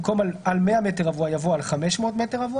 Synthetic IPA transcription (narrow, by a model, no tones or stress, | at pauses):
mko̞malalmeameteʁavuajavoalχameʃmo̞ːtmeteʁavu